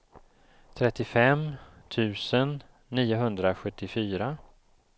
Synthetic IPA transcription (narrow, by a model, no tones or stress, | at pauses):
t̪ʰɾɛt̪ːɪfɛmt̪ʰʉ̟ːsənː | iːʊɦɵnd̪ɾaɧɵt̪ːɪfyːɾa